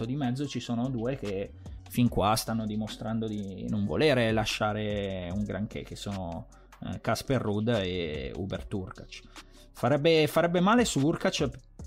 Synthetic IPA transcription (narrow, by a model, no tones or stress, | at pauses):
od̪imɛd̪zːot͡ʃisoːnod̪uːek̟e | fiŋkwast̪anːod̪imost̪ɾand̪od̪inoɱvo̰leːɾelaʃːaːɾeuŋɡɾaŋk̟ḛkesoːno̰ | kasperːud̪ːeṵbert̪urkat͡ʃ | faɾɛbːefaɾɛbːemaːlesuurkat͡ʃ